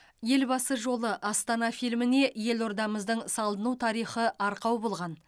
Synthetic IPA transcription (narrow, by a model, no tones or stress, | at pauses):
je̞lbɑsəʒo̞lˠəʔɑst̪ɑnɑfilmɪne̞je̞lo̞ɾd̪ɑməzd̪əɴsɑlˠd̪ənut̪ʰɑɾijχəʔɑɾqɑwbo̞lˠʁɑn